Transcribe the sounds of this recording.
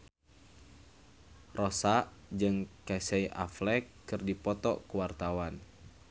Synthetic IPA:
rɔsaʔd͡ʒɨŋkasɛiʔa̰flɛkːɨrdipɔt̪ɔ̰kuwart̪awan

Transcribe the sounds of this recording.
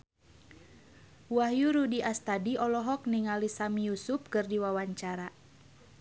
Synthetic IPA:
wahjuɾudiʔast̪adiɔlɔɦɔk̚niŋalisamijusup̚kɨrdiwawaɲt͡ʃaɾa

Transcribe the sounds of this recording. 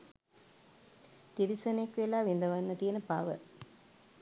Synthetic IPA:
t̪iɾisɐnekʋelaːʋind̪ɐʋanːət̪ijenəpa̰ːʋə̰

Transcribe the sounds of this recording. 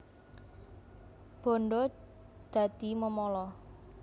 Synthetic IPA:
b̥ɔ̤ɳɖɔd̪̥ä̤d̪̥i̤məmɔlɔ

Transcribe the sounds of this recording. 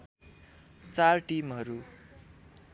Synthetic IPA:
t͡sarʈimɦʌɾu

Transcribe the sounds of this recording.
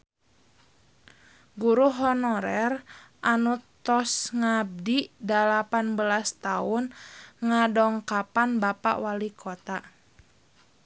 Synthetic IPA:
ɡuɾuɦɔnɔɾɛr | ʔanut̪ɔsŋab̚didalapanbəlast̪aʊnŋadɔŋkapanbapa̰ʔwalikʰɔt̪a

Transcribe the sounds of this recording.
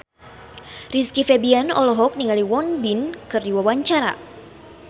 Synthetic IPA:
riskifɛbianɔ̰lɔɦɔk̚niŋaliwɔnbinkɨrdiwawaɲt͡ʃaɾa̰

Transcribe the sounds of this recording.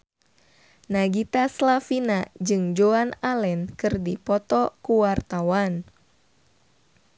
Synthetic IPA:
naɡit̪aslafinad͡ʒɨŋd͡ʒoanalɛnkɨrdipɔt̪ɔkuwart̪awan

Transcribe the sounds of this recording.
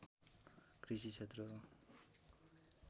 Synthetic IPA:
krisit͡sʰet̪rʌ

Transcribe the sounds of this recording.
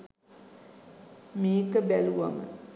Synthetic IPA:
meːkəbæluʋa̰mə̰

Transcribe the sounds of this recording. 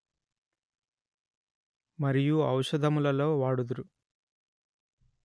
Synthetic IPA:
mɐɾijuɐwʂɐd̪ʱɐmulɐlo̞ːʋaːɽud̪uɾu

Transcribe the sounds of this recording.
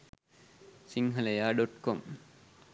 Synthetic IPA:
siŋɦɐlɐjaːɖoʈkom

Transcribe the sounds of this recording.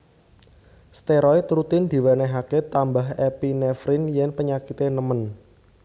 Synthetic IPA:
st̪eɾɔit̪ɾut̪ɪnd̪̥i̤waneɦaket̪ambaɦepinɛfɾɪnjɛnpəɲakit̪enəmən

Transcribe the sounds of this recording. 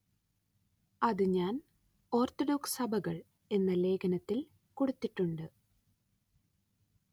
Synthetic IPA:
ɐðɨɲaːn | o̞ːrt̪oɖo̞ːksɐbʱɐɣɐɭ | e̞nːɐle̞ːkʰɐnɐt̪ːil | koɽut̪ːiʈːuɳɖɨ

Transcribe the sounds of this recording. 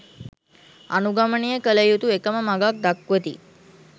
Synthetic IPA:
a̰nuɡamənijəkələjut̪uekəməmaɡak̚d̪akːuʋət̪ḭ

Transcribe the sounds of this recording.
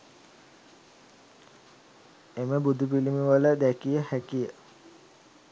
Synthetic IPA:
eməbud̪upilimuʋələd̪ækijəhækijə

